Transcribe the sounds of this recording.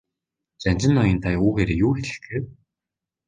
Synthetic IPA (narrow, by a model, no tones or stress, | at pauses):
t͡ɕant͡ɕɪ̆nːɔjĭnt̪ʰajuːɣeːɾeːjuːxeɾʲɘ̆xɡeːw